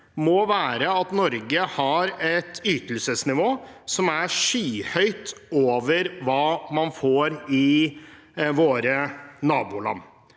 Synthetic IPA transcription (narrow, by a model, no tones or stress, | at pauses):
mɔːʋæːɾəɑt̪nɔɾɡəhɑɾɛt̪ʰyːt̪əl̩səsnɪʋoːsɔmæʂyːhœʏt̪oːʋəɾʋɑːmɑnfoːɾɪ | ʋoːɾənɑːbuːlɑ̰nː